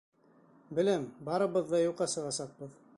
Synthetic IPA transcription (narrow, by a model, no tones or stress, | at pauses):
bɘ̆læmbɑɾɤ̆βɤ̆ðːɑjuqːɑsɤ̆ʁɑsɑq̚b̥ɤð